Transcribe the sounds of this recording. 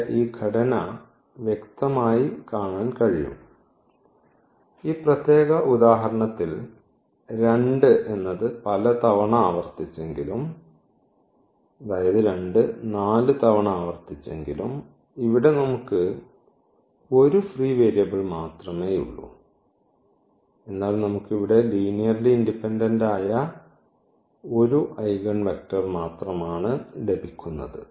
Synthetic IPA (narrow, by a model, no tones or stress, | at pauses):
iːɡʰʱɐɽɐnɐ | ʋjekt̪ɐmaːjikaːɳaːnkɐɻijṵm | iːprɐt̪je̞ːɣɐʔud̪aːɦɐɾɐɳɐt̪ːil | ɾe̞ɳɖɨʔe̞nːɐðɨpɐlɐt̪ɐʋɐɳɐaːʋɐrt̪it͡ɕːe̞ŋɡilum | ɐd̪aːjɐðɨɾe̞ɳɖɨnaːlɨt̪ɐʋɐɳɐaːʋɐrt̪it͡ɕːe̞ŋɡilṵm | iʋiɽe̞nɐmukːɨ | o̞ɾufriːʋeːɾjɐbiɭmaːt̪rɐme̞ːṵɭːṵ | e̞nːaːlmnɐmukːiʋiɽe̞liːnijɐrliindipːendɐndaːjɐ | o̞ɾuʔɐjɡɐɳʋek̚ʈɐrmaːt̪rɐmaːɳɨɖe̞bikʲːunːɐ̰ðɨ̰